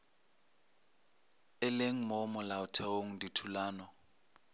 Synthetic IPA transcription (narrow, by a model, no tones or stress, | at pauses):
ɛleŋ̩mɔmɔlaʊtʰɛoŋ̩nditʰulaːnɔ